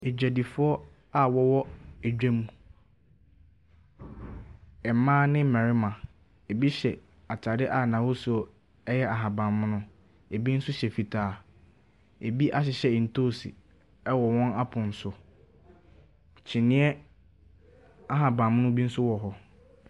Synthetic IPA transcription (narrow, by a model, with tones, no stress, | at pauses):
e˨d͡ʑᶣæ˨di˨fʊ˦ɔ˦ | a˨wɔ˦wɔ˦e˨d͡ʑᶣæ˦mũ˨ | ɛ˨˦mãː˦nɪ̃˦m̩˦mɛ̃˨ɾɪ˦mã˨ | e˨bi˦ɕɛ˨ | a˨tʰa˨dɪ˦ʔa˨nã˨hʊ˦sʊ˨˦ɔ˦˨ | ɛ˦jɛ˦a˨ɦã˨bã˨mːʊ̃˦nʊ̃˦ | e˨bi˦n̩˦sʊ˦ɕɛ˨fi˨tʰaː˨ | e˨bi˦ʔa˦ɕ̬ɪ˨ɕɛ˨n̩˨tʰoː˦˨sḭ˨ | ɛ˦wɔ˨wɔ̃˦na˦pʰʊ̃˨n̩˨sʊ˨ | t͡ɕʰɪ˨nɪ̃˦ɛ˦ | a˦ɦã˨bã˨mʊ̃˦nʊ̃˦bi˦n̩˦sʊ˦wɔ˨ɦɔ˨